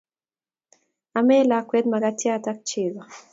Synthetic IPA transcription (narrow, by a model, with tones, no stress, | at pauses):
a˨mɛ˦lakwɛ˦d̪ma˨ɡatia˦˨ta˦k̚t͡ʃeβa˨